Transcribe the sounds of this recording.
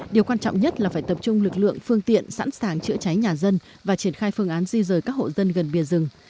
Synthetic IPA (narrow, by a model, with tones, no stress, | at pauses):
ɗi˨˩əwkwaː˧nt͡ɕɔ̰˧˨wŋ͡mɲə˦˥t̚laː˨˩faː˧˩jt̪ə˨˩p̚t͡ɕʊ˧ŋ͡mlɨ˨˩k̚lɨ̰˧˨əŋfɨ˧əŋt̪ḭ˧˨ənsa̰ː˧˥nsaː˨˩ŋt͡ɕɨ̰˧˥ət͡ɕa˨˦jɲaː˨˩zə˧n | vaː˨˩t͡ɕi˧˩ənxaː˧jfɨ˧əŋʔaː˨˦nzi˧zəː˨˩jkaː˦˥k̚ho̰˧˨zə˧nɣə˨˩nɓi˨˩əzɨ˨˩ŋ